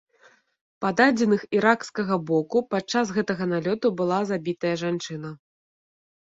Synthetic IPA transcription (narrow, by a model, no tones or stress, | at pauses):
pad̪ad͡zʲɛnɨxiɾakskɐɣɐbɔkupat͡ʂːas̬ɣɛt̪ɐɣɐnalʲɔt̪ubɨlˠazabʲit̪ɐjɐʐant͡ʂɨnɐ